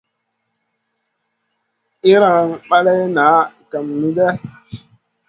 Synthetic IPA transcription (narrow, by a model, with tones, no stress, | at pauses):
i˦ɾa˨ŋɓa˦le˦jna˨˦ka˨mni˦de˦